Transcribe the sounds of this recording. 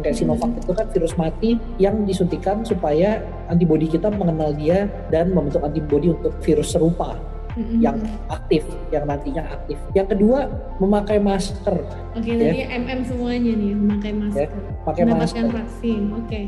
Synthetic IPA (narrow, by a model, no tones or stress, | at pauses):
ŋkajsimafak̚t̪ɪt̪ukanfiɾʊsmat̪i | jaŋdisunt̪ikansupaja | ant̪ibodikit̪aməŋənaldia | danməmbənt̪ʊkant̪ibbodiunt̪ʊk̚fiɾʊsəɾupa | m̩jaŋ | ak̚t̪ɪf | jaŋnant̪iɲaa̰k̚t̪ɪfjaŋkədua | məmakajmaskər | okedjaaʔɛmʔɛmsəmuaɲaniməmakajmasjaə | əmakajmasərfaksɪnoke